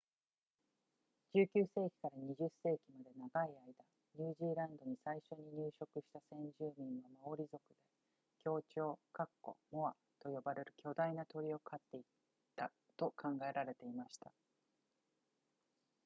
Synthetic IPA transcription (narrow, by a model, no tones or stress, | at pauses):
d͡ʑɨːkʲɨːse̞ːkʲi̥kaɾaɲ̟iʑɨse̞ːkʲimad̪e̞naɡaiaid̪a | ɲ̟ɨːʑiːɾãnd̪o̞ɲ̟isaiɕo̞ɲ̟iɲɨːɕo̞kɯ̟ɕi̥t̪asẽ̞ɲ̟d͡ʑɨːmʲĩɰ̃βamao̞ɾʲizo̞kɯ̟d̪e̞ | kʲo̞ːt͡ɕo̞ːkakːo̞̰mo̞βa | t̪o̞jo̞baɾe̞ɾɯ̟kʲo̞d̪ainat̪o̞ɾʲio̞kʰat̪ːe̞i | t̪ːa | t̪o̞kʰãŋɡae̞ɾaɾe̞t̪e̞imaɕi̥t̪a